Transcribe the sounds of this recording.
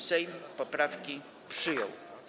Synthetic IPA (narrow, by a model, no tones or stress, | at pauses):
sɛjmpɔpɾafkʲi | pʂɘjɔ̰w